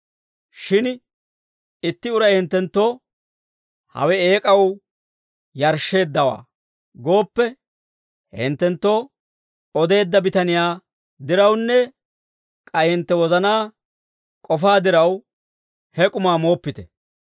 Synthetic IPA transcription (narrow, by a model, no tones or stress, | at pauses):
ʃɪn | ɪt̪ːɪʊɾɐjhɪnt̪ːɛnt̪ːoː | hɐ̰wɛeːkʼɐw | jɐɾʃːe̞ːd̪ːɐwa̰ː | ɡo̞ːpːɛ | hɪ̰nt̪ːɛnt̪ːo̞ː | ɔd̪e̞ːd̪ːɐbɪt̪ɐnɪjaː | d̪ɪɾɐwnːɛ | kʼɐjhɪnt̪ːɛwɔzɐnaː | kʼɔfaːd̪ɪɾɐw | hɛkʼʊmaːmo̞ːpːɪt̪ɛ